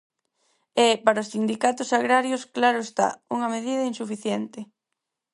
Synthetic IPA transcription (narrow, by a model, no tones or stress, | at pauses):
ɛpaɾaosθind̪ikat̪ʊsaɣɾaɾjosklaɾʊest̪a̰uŋɐmeðið̞ɐinsufiθjɛnt̪ɪ